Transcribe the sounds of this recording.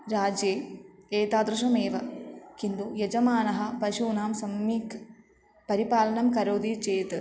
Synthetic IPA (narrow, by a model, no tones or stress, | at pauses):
ɾaːd͡ʑjeːeːt̪aːd̪ɾɨʃɐmeːʋɐkind̪ujed͡ʒɐmaːnɐɦɐpɐʃuːnaːmsɐmiːk | pɐɾipaːlɐnɐmkɐɾoːd̪it͡ɕeːt̪ɨ